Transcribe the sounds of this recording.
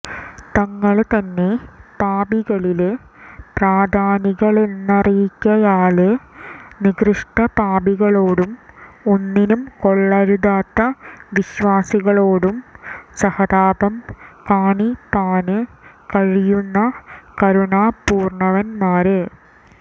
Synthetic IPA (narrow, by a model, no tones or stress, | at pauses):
t̪ɐŋːɐɭt̪ɐnːe̞paːbiɣɐɭil | praːd̪ʱaːniɣɐɭenːɐrijikʲːɐjaːɭɨ | niɡrɨʂʈɐpaːbiɣɐɭoːɽumonːinumko̞ɭːɐɾud̪aːt̪ːɐʋiɕʋaːsiɣɐɭoːɽumsɐhɐd̪aːbɐmkaːɳipaːnɨkɐɻijunːɐkɐɾuɳaːpuːrɳɐʋɐnmaːɾɨ